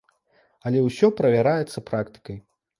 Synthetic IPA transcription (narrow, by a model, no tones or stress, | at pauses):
ɐlʲɛwsʲɔpɾɐvʲaɾajɛt̪sːɐpɾakt̪ɨ̥kɐj